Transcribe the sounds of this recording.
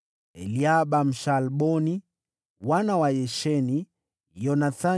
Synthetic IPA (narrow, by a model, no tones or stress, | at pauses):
ɛ̰liaɓam̩ʃalɓɔni | wanawajɛʃɛni | jɔnaθa